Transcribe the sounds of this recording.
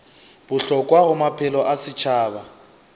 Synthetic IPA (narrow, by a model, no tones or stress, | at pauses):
b̥ʊɬɔkʼwaɣʊmapʰɛlɔʔasɪt͡ʃʰaːba